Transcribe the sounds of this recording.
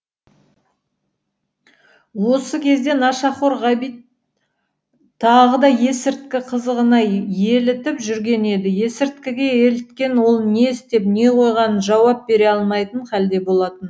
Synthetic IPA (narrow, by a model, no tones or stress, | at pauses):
wo̞səkʲʰe̞zd̪e̞nɑʃɑχoɾʁɑbijt̪ | ɑʁəd̪ɑje̞sɪɾt̪̚kʲɪqʰəzəʁənɑje̞lɪt̪ɪpʒʏɾɡʲe̞ne̞d̪ɪje̞sɪɾt̪̚kʲɪɡʲe̞elɪt̪kʲe̞nwo̞lˠne̞st̪e̞pne̞qʰo̞jʁɑnənʒɑwɑp̚be̞ɾe̞ɑlˠmɑjt̪əɴχæld̪e̞bo̞lˠɑt̪ən